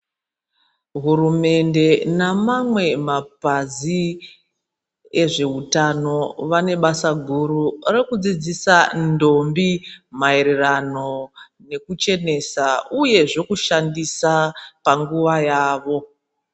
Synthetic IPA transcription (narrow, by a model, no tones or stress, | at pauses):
ɦurume̞nde̞namamwe̞mapazi | e̞ʐe̞ɦutano̞ʋane̞ɓasaɡʱuɾuɾekud͡zid͡zisando̞mbimaeɾerano̞ | ne̞kut͡ʃe̞ne̞sauje̞ʐe̞kuʃandisapaŋɡuʋajaːʋo̞